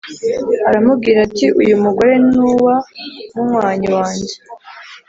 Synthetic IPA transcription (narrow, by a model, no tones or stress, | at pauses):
aɾamub̚ɡiːɾatiʔujumuɡo̞ɾe̞nuːwamumwaːɲiwaːɲɟe